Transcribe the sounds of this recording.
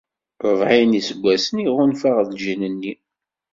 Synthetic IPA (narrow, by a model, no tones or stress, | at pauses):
ɾˤəvʕinisəɡʷːæsəniʁʊnfaʁðlʒinənːi